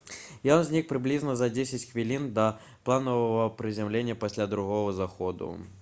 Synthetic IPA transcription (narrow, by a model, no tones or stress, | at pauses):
jɔnzʲnʲik̚pɾɨblʲiznɐzɐd͡zʲesʲɪt͡sʲxvʲilʲind̪ɐ | plˠanəvɐvɐpɾɨzʲamlʲenʲːɐpasʲlʲad̪ɾuɣɔɣɐzaxɔd̪ṵ